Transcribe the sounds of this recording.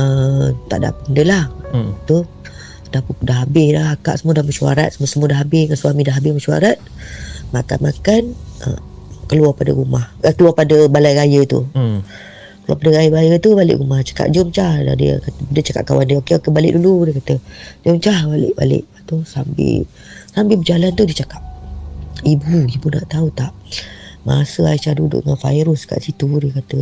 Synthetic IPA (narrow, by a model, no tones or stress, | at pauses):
ət̪a̰ʔda̰pəndəlaht̪u | d̥ahpudaɦabɪslaaka̰ʔsəmuadaməʃua̰ɾat̪̚səmusəmuadaɦabɪŋansuamĩdaɦabɪhməʃua̰ɾat̪̚ | mat̪a̰makanʔə̰ | kəluapadə̰ɾumahakəluapadəbalajɣajət̪ṵ | kəlua̰padəɾajəbajət̪ubalɪ̰ʔɾumaht͡ʃḁka̰p̚d͡ʒəmt͡ʃahda̰dḭkat̪əbədət͡ʃaka̰p̚kawandiokeokebalɪ̰ʔ̚duludikat̪əd͡ʒəmt͡ʃahbalɪ̰ʔba̰lɪ̰ʔat̪usambɪ̰l | sambɪlbəd͡ʒalant̪udit͡ʃakap̚ | ibuibuna̰ʔt̪aut̪aʔma̰asəait͡ʃadudʊ̰ʔŋanfa̰iɾʊska̰ʔsit̪udəkat̪ə